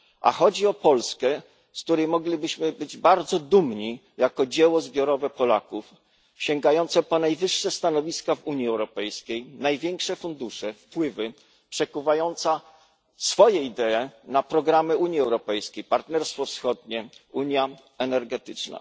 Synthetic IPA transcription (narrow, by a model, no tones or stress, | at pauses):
ʔa̰xɔd͡ʑiɔpɔlskɛ | sk̚t̪uɾɛjmɔɡlʲibɘɕmɘbɘd͡ʑbaɾd̪zɔd̪umɲi | jakɔd͡ʑɛwɔzbʲjɔɾɔvɛpɔlakuf | ɕɛŋɡajɔnt̪sɛpɔnajvɘʂːɛst̪anɔvʲiskavuɲiɛwɾɔpɛjskʲejnajvʲjɛŋkʂɛfund̪uʂɛfpwɘvɘ | pʂɛkuvajɔnt̪sa | sfɔjɛid̪ɛːnapɾɔɡɾamɘuɲjiɛwɾɔpɛjskʲejpaɾt̪nɛɾst̪fɔfsxɔd̪̚ɲɛuɲja | ɛnɛɾɡɛt̪ɘt͡ʂna̰